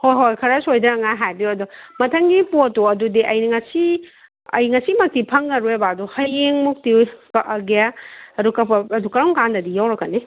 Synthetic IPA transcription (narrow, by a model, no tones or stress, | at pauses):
hojɦojkʰɐɾɐsojdɐɾɐŋaɦajbiuɐdumɐtʰɐŋɡipotoɐdudiʔɐjniŋɐsi | ɐ̰jŋɐsimɐk̚tipʰɐŋːɐɾuebaduhɐjeŋmuk̚tikɐʔɡeaɐdukɐpɐɐdukɐɾɔŋkandɐdijawɾɐkːani